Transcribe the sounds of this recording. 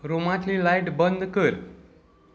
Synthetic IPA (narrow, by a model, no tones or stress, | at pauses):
ɾomat̪ʰlilajʈbənd̪ʱkəɾ